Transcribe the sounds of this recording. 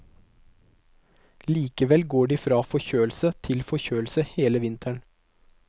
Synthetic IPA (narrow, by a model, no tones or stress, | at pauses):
liːkəʋɛlɡoːɖiːfɾɑːfɔçøːəl̩sət̪ʰɪlfɔçøːl̩səheːləʋɪnt̪ʰəɳ